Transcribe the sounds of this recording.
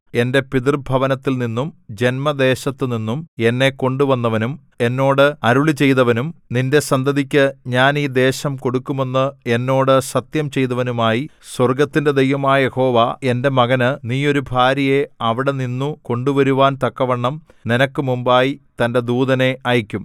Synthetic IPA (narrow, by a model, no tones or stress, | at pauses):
e̞nde̞piðirbʱɐʋɐnɐt̪ːilninːumd͡ʑe̞nmɐd̪e̞ːɕɐt̪ːɨninːume̞nːe̞ko̞ɳɖuʋɐnːɐʋɐnum | e̞nːo̞ːɽɨɐɾuɭit͡ɕe̞jt̪ɐʋɐnumninde̞sɐnd̪ɐðikʲːɨɲaːniːd̪e̞ːɕɐmko̞ɽukːume̞nːɨe̞nːo̞ːɽɨsɐt̪jɐmt͡ɕe̞jt̪ɐʋɐnumaːjiswɐrɡɐt̪ːinde̞d̪ejʋɐmaːɐje̞ho̞ːʋae̞nde̞mɐɣɐnɨniːo̞ɾubʱaːɾɐje̞ɐʋiɽe̞ninːuko̞ɳɖuʋɐɾuʋaːnt̪ɐkːɐʋɐɳːɐm | ninɐkːɨmumbaːjit̪ɐnde̞d̪uːðɐne̞ʔaːjikʲːum